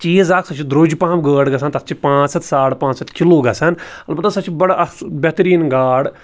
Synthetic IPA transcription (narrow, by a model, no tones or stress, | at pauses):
t͡ʃiːzaːksɐt͡ʃʰid̪ɾoːd͡ʒpãːmɡəːɽɡɐsaːnt̪ɐt̪t͡ʃʰipãːt͡ʃsɐt̪ʰsaːʈpãːt͡ʃsɐt̪kʰilːoːɡɐsanɐlpɐt̪asɐt͡ʃʰibɐɽɐbʲɛt̪ɾiːnɡaːɽ